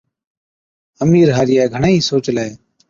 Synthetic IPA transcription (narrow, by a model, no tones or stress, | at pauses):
əmiːɾɦaːɾɪjaːɡʱəɳaːĩːsoːt͡ʃleː